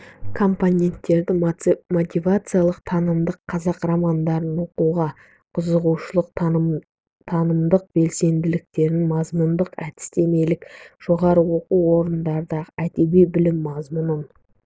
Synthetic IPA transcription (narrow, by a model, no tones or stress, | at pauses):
kʰo̞mponʲe̞nt̪ːe̞ɾd̪ɪmo̞t̪ʲivat̪sɨjalˠəqt̪ʰɑnəmd̪əqʰːɑzɑqramand̪ɑɾənwo̞quʁɑ | qʰʊzəʁuwʃəlˠəq | t̪ʰɑnəmd̪əq̚b̥e̞lse̞nd̪ɪlɪk̚t̪e̞ɾɪnmɑzmund̪əqæt̪ɪ̥st̪e̞me̞lɪkʒ̥o̞ʁɑɾəwo̞quwwo̞ɾənnd̪ɑɾəd̪ɑʁəæt̪e̞bejbɪlɪmːɑzmʊnən